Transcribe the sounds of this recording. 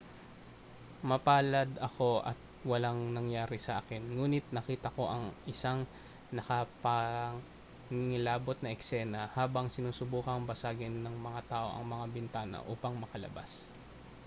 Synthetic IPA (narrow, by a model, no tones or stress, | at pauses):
mɐpaːlɐd̪ɐko̞ʔɐ̰t̪̚wɐlaŋnɐŋjaːɾɪsɐʔaːkɛnŋuːnɪt̪̚nɐkiːt̪ɐko̞ʔɐŋʔɪsaŋ | nɐkɐpɐ | ŋɪŋɪlaːbot̪̚nɐʔɛksɛːnɐhaːbɐŋsɪnuːsʊbuːkɐŋbɐsaːɡɪnːɐŋmɐŋat̪aːʔo̞̰ʔɐ̰ŋmɐŋabɪnt̪aːnɐ̰ʔuːpɐŋmɐkɐlɐ̰ba̰s